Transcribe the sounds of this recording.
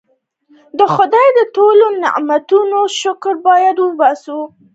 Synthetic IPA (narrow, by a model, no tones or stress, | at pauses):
d̪əxʊd̪ɑjd̪ətolonɪ̰ʔmat̪unoʃʊkɾbɑjad̪wəbasu